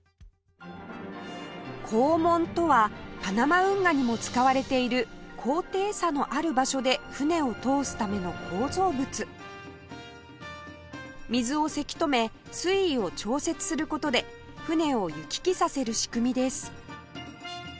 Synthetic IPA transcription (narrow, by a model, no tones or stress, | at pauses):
kʰoːmõ̞nt̪o̞βapanamaɯ̟̃ŋɡaɲ̟imo̞t͡sɨ̥kaβaɾe̞t̪e̞iɾɯ̟kʰo̞ːt̪e̞ːsano̞ʔaɾɯ̟baɕo̞d̪e̞ɸɯ̟ne̞o̞t̪o̞ːsɨ̥t̪ame̞no̞kʰo̞ːzo̞ːbɯ̟t͡sɨ | mʲizɨo̞se̞kʲi̥t̪o̞me̞ | sɨiːo̞t͡ɕo̞ːse̞t͡sɨ̥sɨɾɯ̟ko̞t̪o̞d̪e̞ | ɸɯ̟ne̞o̞jɯkʲi̥kʲisase̞ɾɯ̟ɕi̥kɯ̟mʲid̪e̞sɨ̥